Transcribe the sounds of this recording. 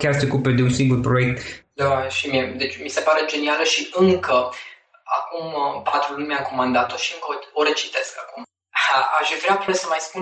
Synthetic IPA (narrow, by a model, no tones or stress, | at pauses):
kʲarseo̞kuped̪eunsiŋɡurpɾoek̚t̪d̪aʃimied̪e̞t͡ʃʲmise̞paɾe̞d͡ʒe̞nialəʃiʔɨŋkə | a̰kumpat̪ɾulumʲaŋkomand̪at̪o̞ʃiɨŋkəooɾet͡ʃi̥t̪e̞skakum | aʃvɾeaput̪esəmajspun